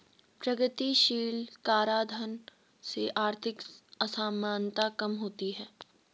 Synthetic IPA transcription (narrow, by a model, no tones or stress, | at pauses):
pɾɐɡət̪iʃiːlkaːɾaːd̪ʱən | seʔaːɾt̪ʰɪkɐsaːmaːnt̪akɐmɦoːt̪iɦɛː